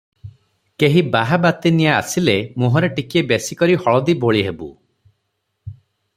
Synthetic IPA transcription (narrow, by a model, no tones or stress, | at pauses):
keɦibaɦabat̪inijaːsilemuɦɔɾeʈikiebesikɔɾihɔɭɔd̪iboɭiɦebṵ